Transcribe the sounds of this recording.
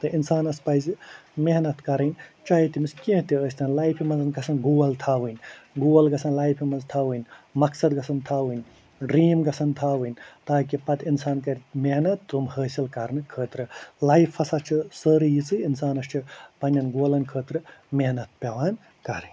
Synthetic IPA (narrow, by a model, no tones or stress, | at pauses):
t̪ɨʔinsaːnɐspɐjzimeɦnɐt̪kɐɾɐnʲt͡ʃaːɦit̪imiskẽɦt̪iəːsʲt̪ʰɐnlaːjpʰimɐnzɐnɡɐsʰɐnɡuːɐlt̪ʰaːʋɨnʲɡuːɐlɡɐsʰɐnlaːjpʰimɐnzt̪ʰaːʋɨnʲmɐksɐd̪ɡɐsʰɐnt̪ʰaːʋɨnʲ | ɖɾiːmɡɐsʰɐnt̪ʰaːʋɨnʲt̪aːkipɐt̪insaːnkɐɾʲit̪meɦnɐt̪ːumhəːsilkɐɾnɨkʰəːt̪ɾɨlajpʰːɐsat͡ʃʰisəɾɨjit͡sɨinsaːnɐst͡ʃʰipɐnʲːɐnɡoːlɐnkʰəːt̪ɾɨmeɦnɐt̪̚peʋaːn | kɐɾɐnʲ